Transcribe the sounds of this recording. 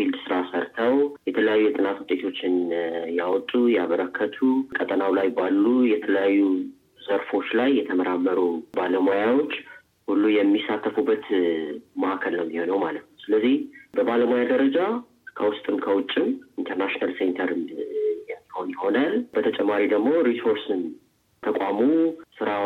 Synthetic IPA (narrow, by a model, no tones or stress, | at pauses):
ild̪sɨɾasəɾt̪ʰəwjɛt̪ʰələjajːujɛt̪ʼɨnat̪wʊt̪ʼe̞t̪ʰo̞t͡ʃːɪnjawɔt̪ʼːujaβəɾəkʰːət̪ʰukʼət̪ʼənawlajbalːujɛt̪ʰələjajːu | zəɾfo̞t͡ʃːlajːɛt̪ʰəməɾamːəɾubaləmojawo̞t͡ʃː | hulːujɛmːisat̪ʰːəfubːət̪ | maʔakʰəlnəwmːiho̞nəwmalət̪nəwsɨləzːihbəbaləmojad̪əɾəd͡ʒa | kʰəwʊst̪ʼɨmkʰəwʊt͡ʃʼːɪmʔint̪ʰəɾnaʃinalsent̪ʰəɾɨnjɛmːiho̞njɪho̞nalbət̪ʰət͡ʃʼɛmːaɾid̪əɡmo̞ɾiso̞ɾsɨn | t̪ʰəkʷʼamusɨɾa